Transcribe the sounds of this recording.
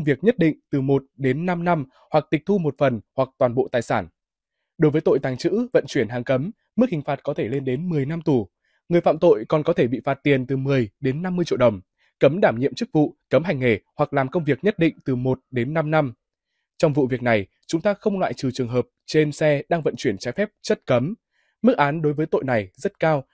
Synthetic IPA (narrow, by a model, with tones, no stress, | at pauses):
wŋ͡mvi˨˩ək̚ɲə˦˥t̚ɗḭ̈˧˨ŋ̟t̪ɨ˨˩mo˨˩t̚ɗe˨˦nːa˧mna˧m | hwa˨˩k̚t̪i˨˩k̟̚t̪ʰu˧mo˨˩t̚fə˨˩nhwa˨˩k̚t̪waː˨˩nɓo̰˧˨t̪aː˨˩jsaː˧˩n | ɗo˨˦jvəː˨˦jt̪o̰˧˨jt̪aː˨˦ŋt͡ɕɨ̰˧˥və̰˧˨nt͡ɕwi˧˩ənɦaː˨˩ŋkə˨˦mː | ɨ˦˥k̚hï˨˩ŋ̟faː˨˩t̚kɔ˨˦t̪ʰe˧˩le˧nɗe˨˦nmɨ˨˩əjna˧mt̪u˧˩ | ŋɨ˨˩əjfa̰ː˧˨mt̪o̰˧˨jkɔ˨˩nkɔ˨˦t̪ʰe˧˩ɓḭ˧˨faː˨˩t̚t̪i˨˩ənt̪ɨ˨˩mɨ˨˩əjɗe˨˦nːa˧mːɨ˧ət͡ɕḭ˧˨wɗə˨˩wŋ͡m | kə˨˦mɗaː˧˩mɲḭ˧˨əmt͡ɕɨ˦˥k̚vṵ˧˨kə˨˦mɦa˨˩jŋ̟he˧˩hwa˨˩k̚laː˨˩mkə˧wŋ͡mvi˨˩ək̚ɲə˦˥t̚ɗḭ̈˧˨ŋ̟t̪ɨ˨˩mo˨˩t̚ɗe˨˦nːa˧mna˧m | t͡ɕɔ˧wŋ͡mvṵ˧˨vi˨˩ək̚na˨˩j | t͡ɕʊ˨˦ŋ͡mt̪aː˧xə˧wŋ͡mlwa̰ː˧˨jt͡ɕɨ˨˩t͡ɕɨ˨˩əŋɦəː˨˩p̚t͡ɕe˧nsɛ˧ɗaː˧ŋvə̰˧˨nt͡ɕwi˧˩ənt͡ɕaː˨˦jfɛ˦˥p̚t͡ɕə˦˥t̚kə˨˦mː | ɨ˦˥ək̚ʔaː˨˦nɗo˨˦jvəː˨˦jt̪o̰˧˨jna˨˩jzə˦˥t̚kaː˧w